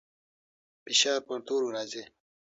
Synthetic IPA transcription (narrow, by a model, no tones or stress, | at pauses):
piɕaːɾpɐnt̪uːɾunad͡ʑe